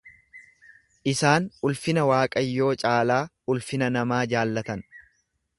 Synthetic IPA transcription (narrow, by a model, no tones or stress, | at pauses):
ʔɪsaːnʊlfɪnɐwaːkʼɐjːo̞ːt͡ʃʼaːlaː | ʊlfɪnɐnɐmaːd͡ʒaːlːɐt̪ɐn